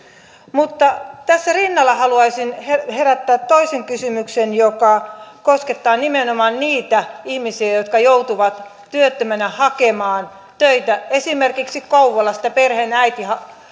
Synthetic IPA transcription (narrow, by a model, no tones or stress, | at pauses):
mut̪ːɑt̪æsːærinːɑlːɑhɑluɑisinheheræt̪ːæːt̪toiseŋkysymyksenjokɑkosket̪ːɑːnimenomɑːnniːt̪æihmisiæjot̪kɑjout̪uʋɑt̪ | tyøt̪ːømænæhɑkemɑːn | t̪øit̪æesimerkiksikkɑuʋolːɑsi̥t̪æperhenæit̪ihɑ